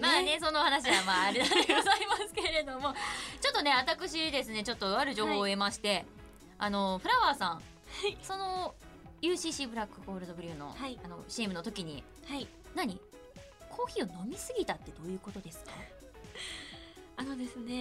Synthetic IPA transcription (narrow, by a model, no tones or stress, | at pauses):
maːne̞so̞nohanaɕ̬iamaːɾʲiaɡo̞zaimasɨ̥ke̞ɾe̞d̪o̞mo̞t͡ɕo̞t̪ːo̞ne̞βat̪akɯ̟ɕ̬id̪e̞sɨne̞t͡ɕo̞t̪ːo̞aɾɯ̟ʑo̞ːho̞ːemaɕi̥t̪e̞ | ano̞ɸɯ̟ɾaβaːsãɴ̃ | aiso̞no̞ | jɯːɕiːɕiːbɯ̟ɾakːɯ̟ko̞ːɾɯ̟d̪o̞bɯ̟ɾʲɯ̟ːno̞̰haiano̞̰ɕiːmɯ̟no̞t̪o̞kʲiɲ̟i | hai | naɲ̟i | kʰo̞ːçio̞no̞mʲisɨɡʲit̪at̪ːe̞d̪o̞ːjɯ̟ːko̞t̪o̞d̪e̞sɨ̥ka | ano̞d̪e̞sɨne̞